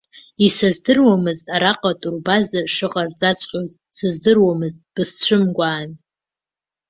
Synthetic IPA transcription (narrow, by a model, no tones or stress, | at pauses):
isazdɨrwamɨztʼaɾaqʼatʼurbazaʂɨʁʼard͡zʼat͡sʷʼqʲʼoz | sɨzdɨrwamɨztʼb̥ɨst͡ɕʷʰɨmɡʷaːn